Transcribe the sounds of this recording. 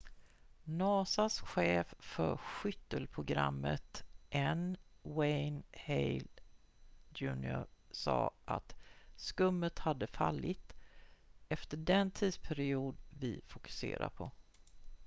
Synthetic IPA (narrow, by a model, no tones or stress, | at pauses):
nɑːsasɧeːffœɾɧʏt̪ːəlpʰɾʊɡɾa̰mːət̪ʔɛnwɛjnhɛjl | d̪ʉːnɪʊɾsɑ̰ːʔa̰t̪skɵmːət̪had̪ːəfalːɪt̪ | ɛft̪əɖɛnt̪ʰiːd̪spʰæɾɪuːd̪vɪfʊkɵ̥sḛːɾa̰pʰɔ